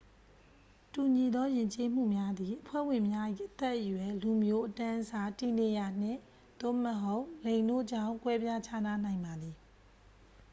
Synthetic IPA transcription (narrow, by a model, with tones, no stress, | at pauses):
tu˨ɲi˨d̪ɔ˦jɪ̃˨ɲt͡ɕe˦m̥ṵ˦˨mja˦d̪i˨ʔəpʰwɛ̰˦˨wɪ̃˨mja˦ʔḭ˦˨ʔət̪ɛ˦ʔːəjwɛ˨lu˨mjo˦ʔətã˦ʔəza˨ti˨ne˨ja˨n̥ɪ̰̃˦˨ | d̪̥o̰˦˨məɦo˦ʊʔlẽ˨ndo̰˦˨ʔd͡ʑã˦˨ʊ̃ŋkwɛ˦bja˦t͡ɕʰa˦na˦nã˨ɪ̃mba˨d̪i˨